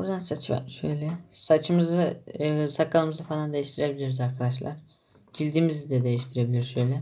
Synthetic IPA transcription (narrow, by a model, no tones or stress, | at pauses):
bbṵɾd̪ansat͡ʃʰɯba̰ʃø̰jlʲɛsat͡ʃʰɯmɯzɯsakːalˠɯmɯzɯfalˠand̪e̞jiʃt̪ʰiɾe̞bilʲiɾyzaɾkʰad̪aʃlˠa̰ɾ̥ | d͡ʒilʲd̪iːmizid̪ɛd̪e̞jiʃt̪ʰiɾe̞bilʲiɾyzø̞jlʲɛ